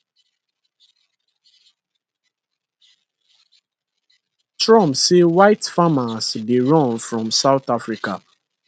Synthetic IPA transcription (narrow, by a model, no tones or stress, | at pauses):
tɹɔ̃msewaɪtfamasbiɹɔ̃nfɹɔ̃msaʊtafɹika̰